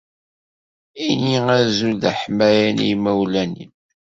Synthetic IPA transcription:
iniæzulðæħmæjænḭjmæwlænḭn

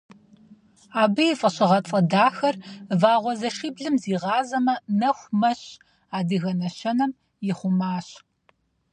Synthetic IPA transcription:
aːbɨjɪfʼɐɕɪʁɐt͡sʼɐdaːxɐrvaːʁʷɔzɐʃiːbɮɨmziːʁɑːzɐmɐnɐxʷmɐɕ | aːdɨɣɐnɐɕɐnɐm | jɪχʷʊmaːɕ

